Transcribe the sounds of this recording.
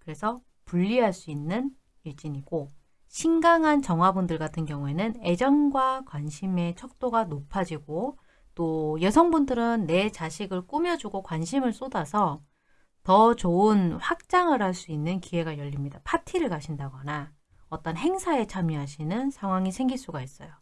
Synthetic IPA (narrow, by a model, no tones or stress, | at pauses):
kɯɾe̞sʰʌ | puʎːiɦaɭs͈uinːɯn | iɭt͡ɕ͈iɲiɡ̥o | ɕʰiŋɡaŋɦant͡ɕʌŋɦwabundɯɭɡatʰɯnkjʌŋue̞nɯne̞d͡ʑʌnɡwakwanɕʰime̞t͡ɕʰʌk̚t͈oɡanopʰad͡ʑiɡo | t͈ojesʰʌŋbundɯɾɯnːe̞t͡ɕaɕʰiɡɯɭk͈umjʌd͡ʑuɡokwanɕʰimɯɭs͈odasʰʌ | tʌt͡ɕoɯnɸwak̚t͡ɕ͈aŋɯɾɦaɭs͈uinːɯnkiɦe̞ɡajʌʎːimɲidapʰatʰiɾɯɭkaɕʰindaɡʌna | ʌt͈ʌnɦe̞ŋsʰae̞t͡ɕʰamjiɦaɕʰinɯnsʰaŋɦwaŋisʰe̞ŋɡiɭs͈uɡais͈ʌjo